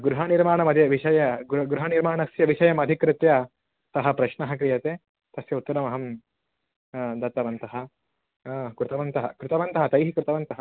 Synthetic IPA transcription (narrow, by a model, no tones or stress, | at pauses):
ɡɾuɦaniɾmaːɳɐmɐd̪ʱjɐʋiʃɐjɐɡɡɾuɦɐniɾmaːɳɐsjɐʋiʃɐjɐmɐd̪ʱikɾɪt̪jɐ | sɐɦɐpɾɐʃɳɐɦɐkɾijɐt̪eː | t̪ɐsjɐut̪ːɐɾɐmɐɦɐm | d̪ɐt̪ɐʋɐnt̪ɐɦɐ̆ | kɾɪt̪ɐʋɐnt̪ɐɦɐ̰kɾɪt̪ɐʋɐnt̪ɐɦɐt̪ɐjɦikɾɪt̪ɐʋɐnt̪ɐɦɐ